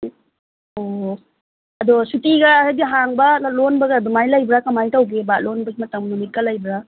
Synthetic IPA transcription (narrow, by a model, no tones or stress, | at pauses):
o | ɐdosutiɡɐajdiɦaŋbɐlonbɐɡɐdumajlajbɾakɐmajtawɡebalonbɐɡimɐtɐŋmnumit̚kalajbɾa